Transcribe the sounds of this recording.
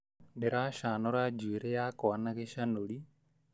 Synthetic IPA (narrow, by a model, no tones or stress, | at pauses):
bɛɾaːʃaːnɔɾad͡ʒuiɾɛjaːkɔanaɣɛʃanoɺi